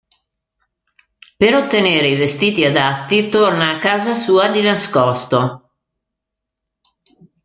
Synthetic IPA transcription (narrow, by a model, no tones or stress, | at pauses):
peɾot̪ːeneːɾeivest̪iːt̪iad̪at̪ːit̪ornaːkːaːzasuːad̪inaskɔst̪o